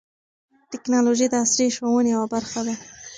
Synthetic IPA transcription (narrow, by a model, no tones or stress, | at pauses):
ʈɪknɑloʒid̪əasɾiʃwowənejawabaɾxad̪a